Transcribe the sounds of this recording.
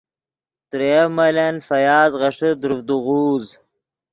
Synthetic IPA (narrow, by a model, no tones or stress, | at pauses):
t̪ɾemɐlenfɐjaːzʁɐʂəd̪ɾufd̪uɣuːz